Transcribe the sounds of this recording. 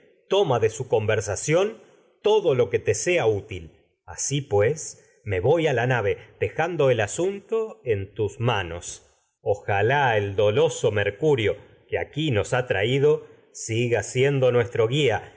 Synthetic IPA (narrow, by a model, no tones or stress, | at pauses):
t̪o̞maðesuko̞mbeɾsasjo̞n | t̪o̞ðo̞lo̞ke̞t̪eseaut̪il | a̰sipwes | me̞βo̞jalanaβe̞ðe̞xand̪o̞elasunt̪o̞ent̪usmano̞̰s | oxalaeld̪o̞lo̞so̞meɾkuɾjo̞ | kea̰kino̞sat̪ɾaiðo̞ | siɣasje̞nd̪o̞nwe̞st̪ɾo̞ɣia